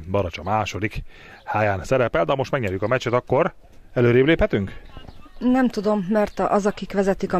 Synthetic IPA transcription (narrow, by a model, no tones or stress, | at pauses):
bɒɾɒt͡ʃɒmaːʃo̞d̪ik | haːjaːnsɛɾɛpɛld̪ɛɒmo̞ʃt̪mɛɡɲɛɾjykɒmɛt͡ʃɛt̪ɒkːo̞ɾ | ɛløːɾeːbleːphɛt̪yŋk | nɛmt̪ud̪o̞mːɛrt̪ɒzɒkikʋɛzɛt̪ikɒ